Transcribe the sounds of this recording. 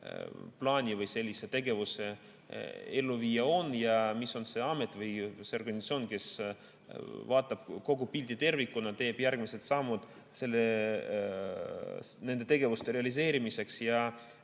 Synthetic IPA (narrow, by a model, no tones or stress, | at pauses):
plɑːnʲivɯjse̞lʲːise̞t̪e̞ɡe̞vuse | e̞lːuviːjɑo̞nːjɑmisːo̞nse̞ɑme̞t̪ːˑvɯjseo̞rɡ̥ɑnʲsɑt̪sʲio̞ːnke̞s | vɑːt̪ˑːɑb̥ko̞ɡupilʲt̪it̪e̞rvikːˑunɑt̪e̞ːb̥jærɡ̥miset̪sɑmːud̪̥ | se̞lːe | ne̞nd̪e̞t̪e̞ɡ̥e̞vust̪eɾe̞ɑlis̬e̞ːɾimise̞ksjɑ